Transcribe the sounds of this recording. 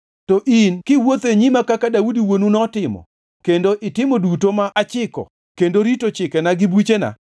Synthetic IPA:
tɔʔinkɪwot̪eɲimakakadaudiwonunɔtɪmɔ̰ | kendoʔɪtɪmodutomaʔat͡ʃɪkɔ̰ | kendoɾitot͡ʃɪkɛnaɡɪbwit͡ʃena̰

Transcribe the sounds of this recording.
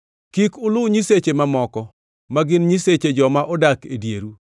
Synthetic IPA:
kikʊlʊɲiset͡ʃemamɔkɔ | maɡɪnɲiset͡ʃed͡ʒɔmaʔɔdakedjeɾu

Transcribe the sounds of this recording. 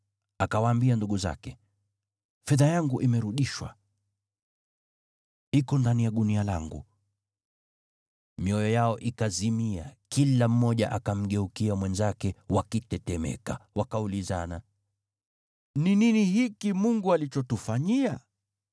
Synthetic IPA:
akawaːmbianduɠuza̰kɛ | fɛðajaŋɡuʔimɛɾuɗiʃwa̰ | ikɔndanijaɗunialaŋɡṵ | miɔjɔjaɔʔikazimiakilam̩ːɔʄaʔakam̩ɠɛukiamwɛnzakɛwakitɛtɛmɛ̰kawakauliza̰na | nininihikimuŋɡualit͡ʃɔtufaɲia

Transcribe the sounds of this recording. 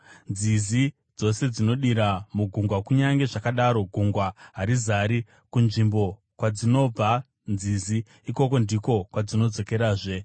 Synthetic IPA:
nzizi | d͡zo̞se̞d͡zino̞ɗiɾamuɡʱuŋɡwakuɲaŋɡe̞ʐakaɗaɾo̞ɡʱuŋɡwaɦaɾizaɾi | kunʐimbo̞ | kwad͡zino̞b͡va | nd͡ziziː | ko̞ko̞ndiko̞kwad͡zino̞d͡zo̞ke̞ɾaːʐe̞

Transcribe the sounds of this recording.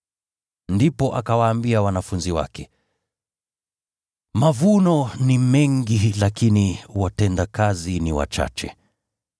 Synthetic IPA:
ndipɔʔakawaːmbiawanafunziwa̰kɛ | mavunɔnimɛŋɡilakiniwatɛndakaziniwa̰t͡ʃa̰t͡ʃɛ̰

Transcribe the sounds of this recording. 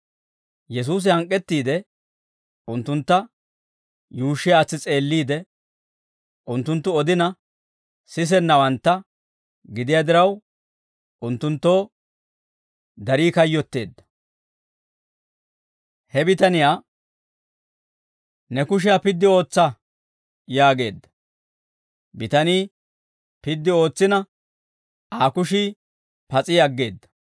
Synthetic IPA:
jɛs̬uːs̬ɪhɐŋkʼːɛt̪ːiːd̪ɛ | ʊnt̪ːʊnt̪ːɐ | juːʃːɪjaːt͡sːɪt͡sʼe̞ːlːiːd̪ɛ | ʔʊnt̪ːʊnt̪ːʊɔd̪ɪnɐ | sɪs̬ɛnːɐwɐnt̪ːɐ | ɡɪd̪ɪjaːd̪ɪɾɐw | ʔʊnt̪ːʊnt̪ːo̞ː | d̪ɐɾiːkɐjːɔt̪ːe̞ːd̪ːɐ̥ | hɛbɪt̪ɐnɪjaː | nɛkʊʃ̬ɪjapɪd̪ːɪo̞ːt͡sːɐ | jaːɡe̞ːd̪ːɐ̥ | bɪt̪ɐniː | pɪd̪ːɪo̞ːt͡sːɪnɐ | aːkʊʃiː | pɐt͡sʼɪjɐɡːe̞ːd̪ːɐ̥

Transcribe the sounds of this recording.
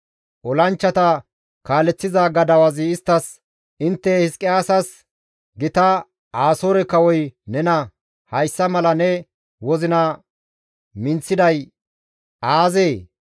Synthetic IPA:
ʔɔlɐnt͡ʃːɐt̪ɐ | kaːlɛt͡sːɪzaɡɐd̪ɐwɐzɪɪst̪ːɐs | ʔɪnt̪ːɛhɪskʼːɪaːsɐs | ɡɪt̪ɐ | aːsoːɾɛkɐwɔjnɛnɐ | hɐjsːɐmɐlɐnɛ | wɔzɪnɐ | mɪnt͡sːɪd̪ɐj | aːzeː

